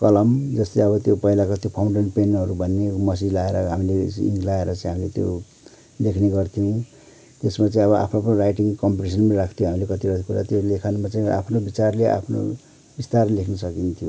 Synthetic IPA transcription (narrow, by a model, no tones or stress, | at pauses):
kʌlʌmd͡zʌst̪eʌβʌt̪jopʌilakot̪jopʰawɳɖeɳʈpenʌɾubʱʌnːemʌs̬id͡zlaeɾʌɦamileḭŋɡlaeɾʌt͡saĩɦamilet̪jo̰ | lekʰneɡʌrt̪ʰiũ | t̪esmat͡saĩʌβʌʔa̰pʰnopʌnoirajʈiŋkʌmpiʈis̬ʌnmaɾakʰt̪ʰjoɦamilekʌt̪iɾʌt̪ikuɾat̪jolekʰanumat͡saĩa̰pʰnobit͡sarleʔa̰pʰno̰ | bist̪arlekʰnʌsʌkint̪ʰijo